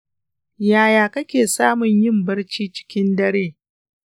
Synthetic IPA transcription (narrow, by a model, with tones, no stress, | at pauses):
jaː˨jaː˨kɐ˦kʲeː˨saː˦mʊ˨ɲjɪ˦mbɐ˦rt͡ʃiː˦t͡ʃɪ̥˦kʲɪ˦ndɐ˦ɽeː˦˨